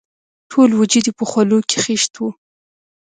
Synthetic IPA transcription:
ʈʰolwd͡ʒid̪ipəxwaluke̥xeʃt̪wu

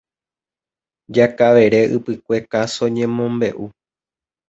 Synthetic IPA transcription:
d͡ʒakaʋe̞ɾe̞ʔɨ̰pɨkʷe̞kasõɲẽ̞mõ̞mbe̞ʔu

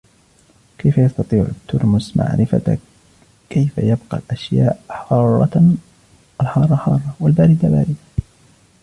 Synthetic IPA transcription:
kajfajɑst̪ɑt̪ˤiːʕʊ̰t̪ːʊɾˤmʊsmʔa̰ʕɾɪfa̰ | kajfa̰jabqɑ̰lʔaʃjaːʔħɑːrˤːɑ̰ | ʔalħɑːrˤːɑħɑːrˤːɑwalbaːɾɪd̪aba̰ːɾɪd̪a

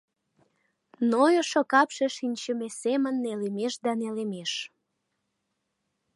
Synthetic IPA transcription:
nojoʃokɑpʃeʃinʲt͡ɕəmesemənːelemeʃd̪ɑnelemeʃ

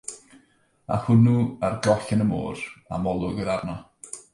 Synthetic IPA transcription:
a̰hʊnuarɡɔɬɪnəmo̰ːra̰mɔlˠʊɡəɾarnɔ

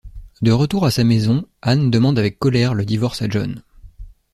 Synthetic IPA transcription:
d̪əʁət̪uʁasamezɔ̃and̪əmɑ̃d̪avɛkːɔlɛʁləd̪ivɔʁsaʒɔ̰n

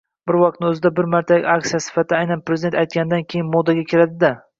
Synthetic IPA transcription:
bɪɾwɒq̚t̪nɪɵzɪd̪abɪɾmaɾt̪ʰaakʲtsijasɪ̥fat̪ʰajnanpɾezɪd̪ent̪ajt̪̚kʲanɪd̪ankʲʰejɪnmod̪aɡʲakʲʰɪɾad̪ɪd̪a

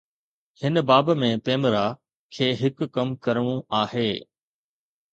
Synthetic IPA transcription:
hɪnbaːbmẽpeːmɾa | kʰeːɦɪkːɐmkɐɾəɽ̃ũaːɦeː

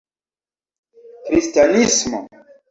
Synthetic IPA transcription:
kɾistanismo̰

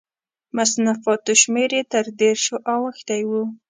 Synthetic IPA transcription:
masnafɑt̪oʃmeɾet̪əɾd̪eɾʃoʔawəxt̪ajwu

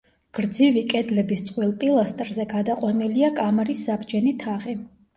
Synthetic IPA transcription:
ɡ̥ɾd̪zivikʼɛd̪lɛbist̪sʼqʼwilˠpʼilˠast̪ʼɾzɛɡad̪aqʼwaniliakʼamɾisːabd͡ʒɛnit̪ʰaʁi

